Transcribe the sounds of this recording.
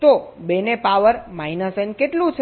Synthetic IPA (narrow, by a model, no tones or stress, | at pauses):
t̪obenepaʋəɾmajnəsenkeʈlũt͡ʃʰ